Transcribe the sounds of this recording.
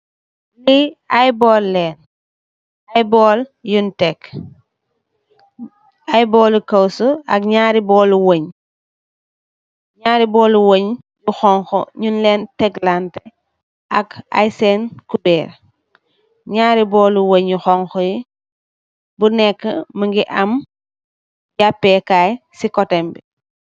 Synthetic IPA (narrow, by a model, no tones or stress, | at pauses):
liajbɔːlːɛːn | ajbɔːljuntɛk | ajbɔːlukɐwsɔɐkɲaːɾibɔːluwoɲ | ɲaːɾibɔːluwoɲ | juxɔŋxɔ̰ɲunlɛːntɛɡlantɛ | ʔaka̰jsɛnkubɛːɾ | ɲaːɾibɔːluwoɲjuxɔŋxɔji | bunɛkːə̰məŋɡiʔɐm | japːɛkaːjsikɔtɛmbi